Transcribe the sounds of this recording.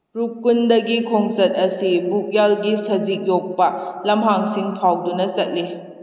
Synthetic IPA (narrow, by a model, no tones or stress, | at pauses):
ɾukːundɐɡikʰoŋsɐt̚ɐsibuk̚jalɡisɐzik̚jok̚pɐlɐmɦaŋsiŋpʰawdunɐt͡ʃɐt̚li